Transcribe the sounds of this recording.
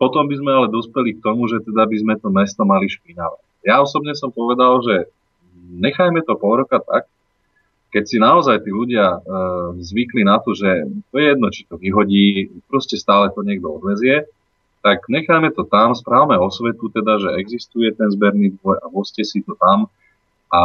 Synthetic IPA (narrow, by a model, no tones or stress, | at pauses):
pɔt̪ɔmbizmɛalɛd̪ɔspɛlik̚t̪ɔmuʒɛt̪ɛd̪abizmɛt̪ɔmɛst̪ɔmaliʃpinaʋa̰cjaɔsɔbɲɛsɔmpɔʋɛd̪alʒɛ | ɲɛxajmɛt̪ɔpɔɾɔkat̪a̰k̚ː | ɛcsinaɔzajt̪iːluɟɪa | zʋiklinat̪ɔʒɛt̪ɔjɛjɛd̪nɔt͡ʃi̥t̪ɔʋiɦɔɟiːpɾɔscɛst̪aːlɛt̪ɔɲɪɛɡ̚d̪ɔɔd̪ʋɛzɪɛ | t̪akɲɛxajmɛt̪ɔt̪amspɾaːʊmɛɔsʋɛt̪ut̪ɛd̪aʒɛɛɡzist̪ujɛt̪ɛnzbɛɾniːd̪ʋɔjaɦɔscɛsit̪ɔt̪am | a